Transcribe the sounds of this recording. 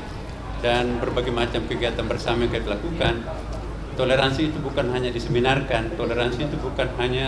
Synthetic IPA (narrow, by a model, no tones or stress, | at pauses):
danbərbaɡimat͡ʃamkəɡiat̪anbərsamajŋkajadilakukan | t̪oleɾansiːt̪ubukanɦaɲadisəminarkant̪oleɾansiːt̪ubukanɦaɲa